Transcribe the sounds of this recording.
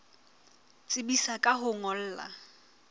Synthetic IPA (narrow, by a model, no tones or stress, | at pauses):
t͡sʼɪbisakʼaɦʊŋɔl̩ːla̰